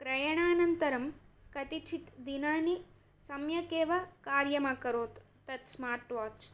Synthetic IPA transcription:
kɾɐjɐɳaːnɐnt̪ɐɾɐmkɐt̪it͡ʃʰit̪d̪inaːni | sɐmjɐkeːʋɐkaːɾjɐmaːkɐɾoːt̪ːɐt̪smaːɾʈʋaːt͡ʃ

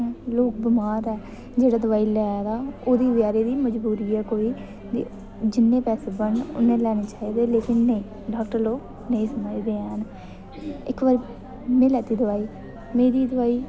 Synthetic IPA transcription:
loːk̚bəmaːd̪ɛː | d͡ʒeːɽaːd̪ʊʋaːiːlɛːaːd̪aːoːd̪iːʋjaːɾeːd̪iːməd͡ʒbuːɾiːɛːkoːiː | d̪i | d͡ʒɪnːẽːpɛːseːbəɳʊ̰nːẽːlɛːneːt͡ʃaːiːd̪eːleːkɪnːəĩː | ɖaːkʈəɾloːɡ | nəĩːsəməd͡ʒd̪eːɛn | ɪkʋəɾ | mẽːlɛːt̪iːd̪ʊʋaːiː | meːɾiːd̪əʋaːiː

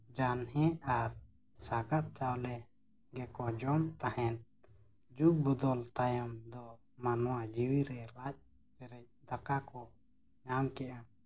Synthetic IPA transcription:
d͡ʒanɦɛ̃aɾ | saɡat̪̚t͡ʃawlɛ | ɡɛkɔd͡ʒɔmt̪ahɛn | d͡ʒuk̚bɔd̪ɔlt̪ajɔmd̪ɔ | manɔwad͡ʒiwiɾɛlac̚ | pɛɾɛc̚ˀd̪akakɔ | ɲamkɛʔa

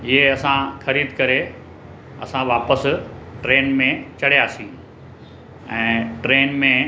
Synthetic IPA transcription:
ɪɦeɐsãxɐɾiːd̪ʱkɐɾe | ɐ̰sãʋaːpəsʈɾeːnmẽt͡ɕɐɽijaːsĩː | ɛ̃ːʈɾeːnmẽ

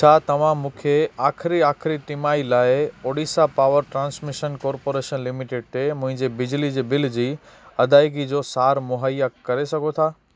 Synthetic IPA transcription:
t͡ɕʰaːt̪ɐʋ̤ãmũːkʰeaːxʰɪɾiaːkʰɪɾiʈɪmaːilaːɪoːɽiːsapaːʋəɾʈɾãːnsmɪʃənkɔːɾpoːɾeːʃənlɪmɪʈeɖ̚t̪ʰemʊ̃ɦɪ̃ɲd͡ʑebɪd͡ʑlid͡ʑeːbɪl̤d͡ʑiː | ɐd̪aːɪkid͡ʑosaːɾmʊɦaːjakɐɾesɐɡʱot̪ʰaː

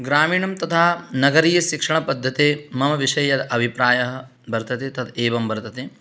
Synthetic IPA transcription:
ɡɾaːmiːɳɐmt̪ɐt̪ʰaːnɐɡɐɾiːjɐʃikʂɐɳɐpɐd̪ʱːɐt̪eːmɐmɐʋiʂɐjɐd̪ʔɐbʱipɾaːjɐɦɐ̆ | bʱɐɾt̪ɐt̪eːt̪ɐt̪ʰeːʋɐmbɐɾt̪ɐt̪eː

